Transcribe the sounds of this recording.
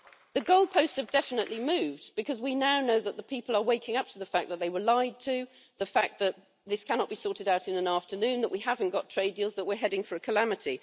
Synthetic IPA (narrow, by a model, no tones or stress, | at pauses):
ðɨɡoʊlˠd̚pʰoʊstsɨvdɛfənəʔlimʉvb̥ɨkʰʌzwinaʊnoʊðət̪̚ðəpʰipəl̩ˠə˞weɪkɪ̃ŋʌp̚tʰəðəfæk̚ðət̪̚ðeɪwə˞laɪd̚tʰʉ | ðəfak̚ðɨt̪̚ | ðɪskʰænɑt̚b̥isɔɹɾɨɾaʊɾɨ̃nə̃næftə˞nʉ̃nðəʔwihavə̃n̩ɡ̥ɑtʰɹ̥eɪdilˠzðəʔ̚wɪɹɦɛɾɪ̃ŋfə˞ɨkʰəlæmɨti